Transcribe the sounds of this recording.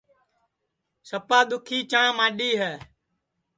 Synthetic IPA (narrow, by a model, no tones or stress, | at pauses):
səpaːɗ̪ʊkʰiːt͡ʃãːmaːɗiːɦɛː